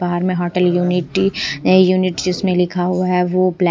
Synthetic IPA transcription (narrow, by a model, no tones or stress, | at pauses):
baɦəɾmẽɦɔːʈəljuːnɪʈ | juːnɪʈd͡ʒɪsmẽlɪkʰaɦuaɦɛʋopl